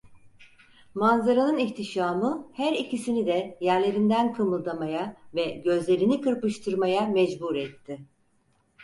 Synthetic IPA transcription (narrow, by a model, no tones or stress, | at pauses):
manzaɾanɯniçt̪ʰiʃaːmɯhæɾicʰisinid̪ɛjæɾlʲe̞ɾind̪ænkʰɯmɯlˠd̪amajavɛɟø̞zlʲe̞ɾinikɯɾpɯʃt̪ʰɯɾmajamɛd͡ʒbuɾɛt̪ʰːɪ